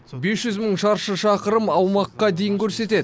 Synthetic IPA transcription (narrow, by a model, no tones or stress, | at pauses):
be̞sʒʏzməɴʃɑɾʃəʃɑqəɾəmɑwmɑqːɑd̪e̞jɪŋkʲʰɵɾse̞t̪e̞d̪